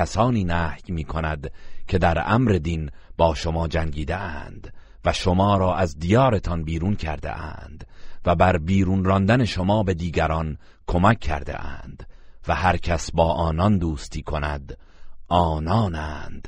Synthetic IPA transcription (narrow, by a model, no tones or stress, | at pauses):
æsɒːniːnæːhjmiːkʰo̞næd̪cʰe̞d̪æɾæ̰mɾe̞d̪inb̥ɒːʃo̞mɒːd͡ʒæŋɡiːd̪eʔænd̪̥ | væʃomɒːɾɒːʔæzd̪ijɒːɾe̞t̪ʰɒnbiːɾuːncʰæ̰ɾd̪ḛʔæ̰ːnd̪̥væbæɾbiːɾuːnɾɒnd̪æne̞ʃo̞mɒːbe̞d̪iːɡæɾɒn | kʰo̞mækʰːæ̰ɾd̪ḛʔæ̰ːnd̪̥væhæɾcʰæsbɒːʔɒːnɒnd̪uːst̪ʰiːkʰo̞næ̰d̪ | ɒːnɒːnæːnd̪̥